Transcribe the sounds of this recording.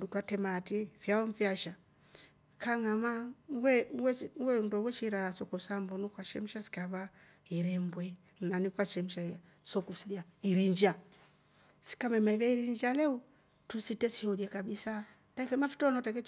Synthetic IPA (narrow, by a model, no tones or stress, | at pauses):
dutwatɛmatifjaɔɱfjaʃa | kaŋamawɛwɛwɛndɔwɛt͡ʃiɾasɔkɔsambɔnukwaʃɛm̩ʃasi̥kaβa | iɾɛmbwɛ | nnanikwaʃɛm̩ʃa | sɔkusiljaiɾiɲd͡ʒa | si̥kamɛmaiβaiɾiɲd͡ʒalɛu | tusitɛsihɔdjɛkabisa | takɛmafi̥tɔnɔtakɛ